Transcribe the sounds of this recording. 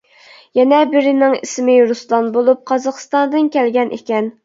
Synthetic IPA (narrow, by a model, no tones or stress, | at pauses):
jɛnɛbɪɾɪnɪŋismɪɾuslˠɑnbolˠup̚qʰɑzɑχst̪ɑnd̪ɨnkʲʰɛlɡʲɛnʔḛkʲɛn